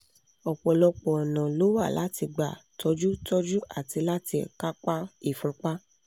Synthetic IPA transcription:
ɔ˨k͡pɔ˨lɔ˧k͡pɔ˨ɔ˨nã˨lo˨˦wa˦˨la˨˦ti˧ɡ͡ba̰˨tɔ˧d͡ʒu˦tɔ˦d͡ʒu˦a̰˨ti˧la˦ti˧˨ka˦k͡pa˦i˦˨fũ˧k͡pa˦

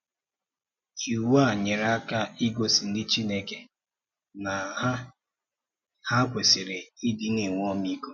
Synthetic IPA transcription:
i˨wa˦˨ɲe˨ɾa˦ka˦i˦ɡo˨si˨n̩˦dɪ˦t͡ʃi˦ne˦ke˨ | na˨a˦ | ha˦kʷe˨sɪ˨ɾe˨i˦dɪ˦ne˨ŋʷ˦ɔ˦mi˦ko˦

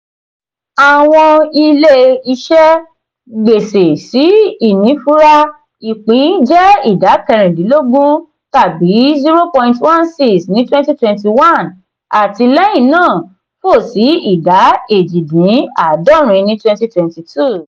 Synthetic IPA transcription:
a˨w̃ɔ̃˧i˧le˦i˧ʃɛ˦ | ɡ͡be˨se˨si˨˦i˦˨nĩ˨˦fu˦ɾa˦ | i˨k͡pĩ˨˦d͡ʒɛ˦i˦˨da˨˦kɛ˧ɾ̃ɛ̃˨dĩ˨˦lo˦ɡũ˦ | ta˦˨bi˨˦zi˦ɾo˦pɔ̃˧ĩ˧ntwɔ̃˦nsi˦snĩ˨˦twɛ̃˦nti˦twɛ̃˧nti˧wã˦˨n | a˨ti˧lɛ˦j̃ĩ˦˨nãː˦˨ | fo˦˨si˨˦i˦˨da˨˦e˨d͡ʒi˨dĩ˨˦a˦˨dɔ˦˨ɾ̃ĩ˧nĩ˦twɛ̃˧nti˦twɛ̃˧nti˧tʰu˦˨

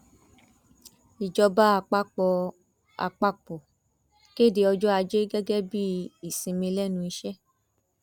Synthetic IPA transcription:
i˨d͡ʒɔ˧ba˦a˧k͡pa˦k͡pɔ˧ | a̰˧k͡pa˦k͡pɔ˨ | ke˦˨de˧ɔ˧d͡ʒɔ˦a˧d͡ʒe˦ɡɛ˦ɡɛ˦bi˦i˦˨sĩ˨˧mĩ˧lɛ˦nũ˧i˧ʃɛ˦

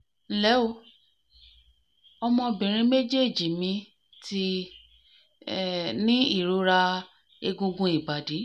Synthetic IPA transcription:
n̩˦lɛ˨˦o˧ | ɔ˧mɔ̃˧bĩ˨ɾ̃ĩ˧me˦d͡ʒe˦˨d͡ʒi˨mĩ˧˦ | ti˧˦˨ | nĩ˦i˦˨ɾo˨˧˦ɾa˧ | e˧ɡũ˧ɡũ˧˦i˨ba˨di˨˦

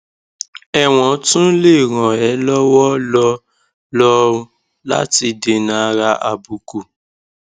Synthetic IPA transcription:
ɛ˦˨w̃ɔ̃˨˦tũ˦le˦˨ɾɔ̃˨ɛ˨˦lɔ˦wɔ˦lɔ˧ | lɔ˦o˧ | la̰˦ti˧de˧nã˨˦a˧ɾa˧ʔa˨bu˨ku˨

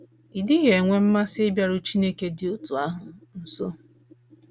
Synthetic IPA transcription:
i˨dɪ˦ɦe˨ŋʷe˦m̩˦ma˦sɪ˦ɪ˦bja˦ɾʊ˦t͡ʃi˦ne˦ke˨dɪ˨ʊ˦tu˨a˦ɦʊ˨n̩˦so˦

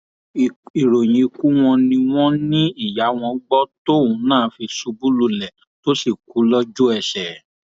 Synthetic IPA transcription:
i˨ɾo˨j̃ĩ˨i˨ku˨˦w̃ɔ̃˧nĩ˧w̃ɔ̃˦nĩ˦i˦˨ja˨˦w̃ɔ̃˧˦ɡ͡bɔ˦to˦˨ũ˨˧˦nãː˦˨˦fi˧su˧bu˦lu˦˨lɛ˨ | to˦si˦˨ku˨˦lɔ˦d͡ʒu˦ɛ˧˨ʃɛ˨˦

